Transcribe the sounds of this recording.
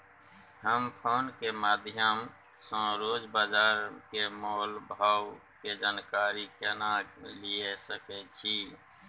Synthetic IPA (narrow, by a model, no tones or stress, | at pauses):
ɦəmpʰonkemad̪ʱjəm | sə̃ɾod͡ʒbad͡ʒaɾkemolbʱaw | ked͡ʒaːnkaɾikɛnaliesəkɛt͡ʃʰi